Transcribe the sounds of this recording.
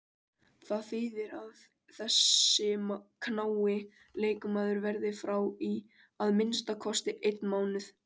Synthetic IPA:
θaðθiːðɪɾað | θɛsːɪmkʰnaːwɪ | leːjkʏmaːðʏɾvɛɾðɪfɾawi | aðmɪnst̪akʰɔst̪ɪʔejt̪̚nmaːwnɪθ

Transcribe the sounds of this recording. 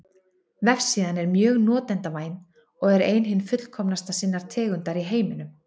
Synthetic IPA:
vɛfsiːðanɛɾmjœːɣnɔːt̪ɛnt̪avaːjn | ɔɣɛɾeːjnɦɪnːfʏt̪l̥kʰɔmnast̪asinːaɾ̥t̪ʰɛːɣʏnt̪aɾiɦeːjmɪnʏm

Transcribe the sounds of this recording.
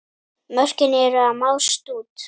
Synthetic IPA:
mœr̥cɪnɛɾʏamawst̪uːt̪

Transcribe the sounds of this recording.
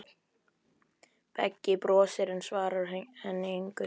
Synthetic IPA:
pɛ̰cːɪpɾɔːsɪɾɛnsvaːɾaɾ̥hhɛnːeŋkʏ

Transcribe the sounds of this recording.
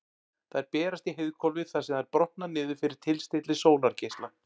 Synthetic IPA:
θaɛɾpɛːɾast̪iɦɪðkʰɔlvɪθasɛmðɛɾpɾɔht̪nanɪːðʏfɪɾɪɾ̥t̪ʰɪlst̪ɪt̪lɪsoːwnaɾcejst̪lan

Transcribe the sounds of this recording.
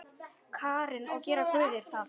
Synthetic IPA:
kʰaːɾɪnawcɛːɾat̪ʏːðɪɾ̥θað

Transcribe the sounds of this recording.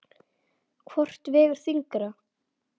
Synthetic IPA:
kʰvɔr̥t̪vɛːɣʏɾ̥θiŋkɾa

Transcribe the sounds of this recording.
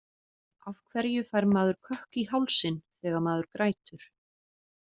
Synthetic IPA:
avkʰvɛɾjʏfajɾmaːðʏɾ̥kʰœhkihawlsɪnθɛːɣamaːðʏɾkɾʔaːjt̪ʏɾ̥

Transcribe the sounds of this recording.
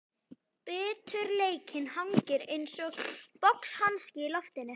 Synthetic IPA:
pɛːt̪ʰʏɾleːjcʰɪnhawŋcɪɾejnsɔɣpɔkshanscɪlɔft̪ɪnːɪ

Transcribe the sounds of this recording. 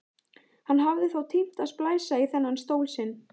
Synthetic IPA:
hanːɦavðɪθawt̪ʰim̥t̪aðsplaːjsaiθɛnːanst̪oːwlsɪnː

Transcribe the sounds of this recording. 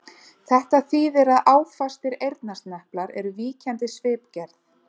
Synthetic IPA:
θɛht̪aθiːðɪɾaðaːwfast̪ɪɾejɾt̪nast̪nɛhplaɾɛ̰ɾʏviːcʰɛnt̪ɪsvɪːpcɛɾθ

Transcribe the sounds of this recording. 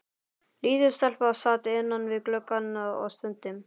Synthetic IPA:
liːðɪ̥st̪ɛl̥pʏasaːt̪ɪɪnːanvɪðklœkːanːaɔ̰st̪ʏnt̪ɪm

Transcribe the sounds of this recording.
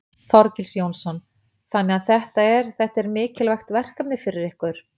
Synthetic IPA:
θɔɾcɪlsjownsɔn | θanːɛɣaðθɛht̪aɛɾ̥θɛht̪aɛɾmɪːcɪlvajxt̪vɛr̥kapnɪfɪɾɪɾɪhkʏɾ̥

